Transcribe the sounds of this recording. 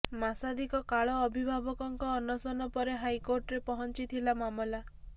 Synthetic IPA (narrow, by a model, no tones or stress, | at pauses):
masad̪ikɔkaɭɔːbʱibʱabɔkɔŋkɔːnɔsɔnɔpɔɾeɦajkoɾʈɔɾepɔɦɔnt͡ʃit̪ʰilamamɔla